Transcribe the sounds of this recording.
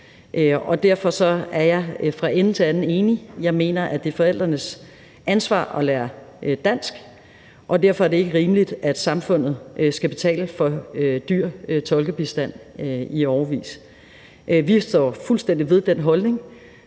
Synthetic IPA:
ʔøɒ̽d̥æɐfɒ̽sɒ̽æɐjɑ̈ɪfʁɑ̈ʔen̩t͡sʰe̝ænn̩e̝ːnijɑ̈ɪme̝̰ːnɐʔæd̥e̝fɒ̽el̰d̥ʁɐnəs | ænsʋɑ̰̈ːɒ̽læːɐd̥æn̰sɡ̥ | ʔɒ̽d̥æɐfɒ̽æɐde̝e̝ɡ̥əʁiːməlid̥æd̥sɑ̈mfɔ̽n̰ð̞̩ˠsɡ̥æb̥e̝t͡sʰɛ̰ːləfɒ̽ød̥yɐ̰t͡sʰɒ̽lɡ̥əb̥isd̥æn̰iɒʊɐʋḭːs | ʔʋisd̥ɒ̰ːfulsd̥en̰d̥iʋe̝ðˠd̥en̰ɦɒ̽lne̝ŋ

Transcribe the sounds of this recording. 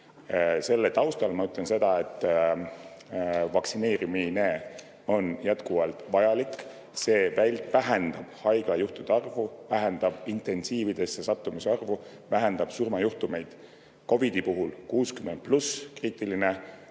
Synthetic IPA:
se̞lːet̪ɑwst̪ɑlmɑyt̪lense̞d̪̥ɑe̞t̪ːˑ | vɑksine̞ːɾimine̞ː | o̞njæt̪kuvɑlt̪ˑvɑjɑlik | se̞ːvæjlʲt̪væɦɛnd̪̥ɑb̥hɑjɡ̥lɑjuht̪ud̪̥eɑrvuvæɦɛnd̪ɑb̥int̪e̞nsiːvid̪̥e̞sːesɑt̪ːˑumuseɑrvu | væɦɛnd̪ɑb̥surmɑjuht̪ume̞jd̪̥ | ko̞vid̪̥ipuɦulkuːskymːend̪̥̚pluskriːt̪ˑiline̞

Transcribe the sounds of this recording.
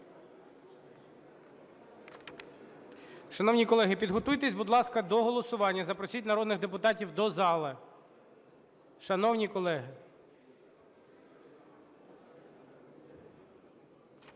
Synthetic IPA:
ʃɐnɔwnʲikɔlˠɛɦɪpʲid̪ɦɔt̪ujt̪ɛsʲbʊd̪lˠɑskɐd̪ɔɦɔlˠɔsʊʋɑnʲːɐzɐpɾɔsʲitʲnɐɾɔd̪nɪɣd̪epʊt̪ɑtʲiwd̪ɔzɑlˠɪ | ʃɐnɔwnʲikɔlˠɛɦɪ

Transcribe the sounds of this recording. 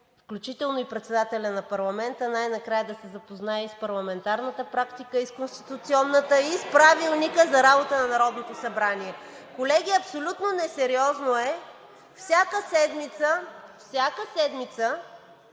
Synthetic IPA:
fklʲut͡ʃit̪ɛlˠnoipɾɛt̪sɛd̪at̪ɛlʲɐnɐpɐɾlˠɐmɛnt̪ənajnɐkɾajəd̪ɐsɛzɐpoznaɛispɐɾlˠɐmɛnt̪aɾnət̪əpɾakt̪ikəiskonst̪it̪ut̪siɔnːət̪əispɾavilˠnikəzɐɾabot̪ənɐnɐɾɔd̪not̪osɐbɾaniɛ | kolɛɡ̟iɐpsolʲut̪nonɛsɛɾiɔznoɛ | fsʲakəsɛd̪mit̪səfsʲjakəsɛd̪mit̪sə

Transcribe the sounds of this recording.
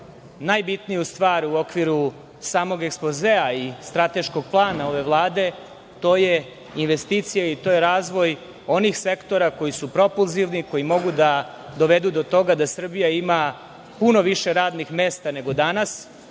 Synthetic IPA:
najbit̪nijust̪ʋaːɾuo̞kʋiɾu | saːmo̞ɡekspozeaist̪ɾat̪e̞ʃko̞ɡ̚plˠaːnao̞ʋe̞ʋlˠaːd̪e̞ | t̪o̞ːje̞ | inʋe̞st̪it̪sijait̪oːjeɾaːzʋo̞j | o̞nixse̞kt̪o̞ɾako̞jisupɾo̞pulziʋniko̞jimo̞ɡud̪a | d̪o̞ʋe̞d̪ud̪o̞t̪o̞ɡad̪asr̩bijaima | puno̞ʋiʃeɾaːd̪nixme̞ːst̪ane̞ɡo̞d̪anas

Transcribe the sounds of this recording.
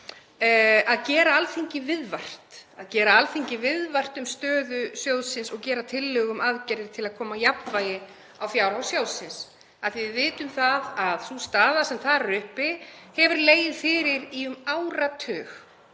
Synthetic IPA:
aðcɛːɾaalθiɲcɪvɪðvar̥t̪aðcɛːɾaalθiɲcɪvɪðvar̥t̪ʏmst̪œːðʏsjowðsɪnsɔɣcɛːɾat̪ʰɪlːʏɣʏmaðcɛɾðɪɾ̥t̪ʰɪlaðkʰɔːmajapnvaːjɪ | awfjawɾhawsjowsɪns | aθivɪðvɪːt̪ʏmθaðaðθust̪aːðasɛmθaðɾrɾʏhpɪhɛvʏɾleːjɪðfɪːɾɪɾiʏmaːwɾat̪ʰœːx

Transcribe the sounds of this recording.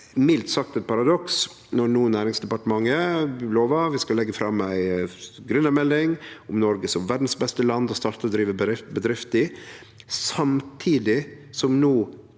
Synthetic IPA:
mɪlt̪sɑk̚t̪ɛt̪̚pʰɑɾɑd̪ɔks | nɔnuːənːæːɾɪŋsd̪ɛpɑʈəmɑŋːəloːʋɑʋɪskɑlɛɡːəfɾɑmːæɪ | ɡɾʉnːɑɾmɛlːɪŋʊmnɔɾɡəsɔmʋæɖn̩sbɛst̪əlɑnd̪ɔst̪ɑɾt̪əɾɔd̪ɾiːʋəbəɾɪft̪bəd̪ɾɪft̪ɪ | sɑmt̪ʰiːd̪ɪsɔmnoː

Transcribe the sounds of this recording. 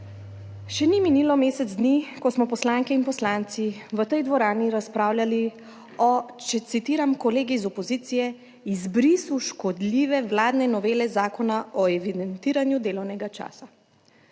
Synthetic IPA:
ʃɛniminiːlɔmeːsɛd̪zd̪nikɔsmɔpɔslaːŋkɛinpɔslaːnt̪siʋət̪ɛjd̪ʋɔɾaːniɾaspɾaːwlʲjali | ɔt͡ʃɛt̪sit̪iːɾamkɔleːɡizɔpɔziːt̪sijɛ | izbɾisuʃkɔd̪lʲiːʋɛʋlaːd̪nɛnɔʋeːlɛzaːkɔnaʔɔɛʋid̪ɛnt̪iːɾanjud̪eːlɔwnɛɡat͡ʃa̰ːsa

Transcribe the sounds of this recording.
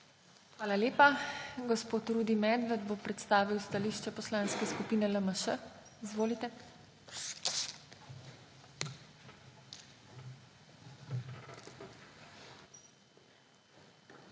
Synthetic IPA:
xʋaːlaleːpaɡɔspoːt̪ɾuːd̪imɛːd̪ʋɛd̪bopɾɛt̪st̪aːʋiwst̪aliːʃt͡ʃɛpɔslaːnskɛskupiːnɛləməʃə | izʋoːlit̪ɛ

